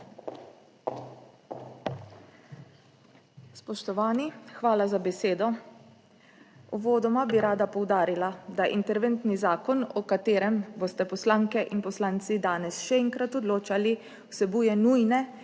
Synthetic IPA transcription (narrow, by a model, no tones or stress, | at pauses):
spɔʃt̪ɔʋaːnixʋaːlazabɛseːd̪ɔ | ɔʋoːd̪ɔmabiɾaːd̪apɔwd̪aːɾilad̪aʔḭnt̪ɛɾʋɛnt̪nizaːkɔnɔkat̪eːɾɛmbost̪ɛpɔslaːŋkɛʔinpɔslaːnt̪sid̪aːnɛsʃɛɛŋkɾat̪ɔd̪loːt͡ʃali | wsɛbuːjɛnuːjnɛ